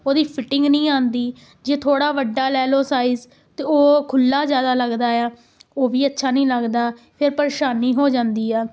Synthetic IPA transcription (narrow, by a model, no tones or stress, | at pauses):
oːd̪iːpʰɪʈɪ̃ŋɡnəĩːãːnd̪iː | d͡ʒeːt̪ʰoːɽaːʋəɖːaːlɛːloːsaːiːz | t̪eoːkʰʊlːaːzjaːd̪aːləɡd̪aːaː | oːʋiːətːʃʰaːnəĩːləɡd̪aː | pʰɪɾpəɾeːʃaːniːɦoːd͡ʒãːnd̪iːɛː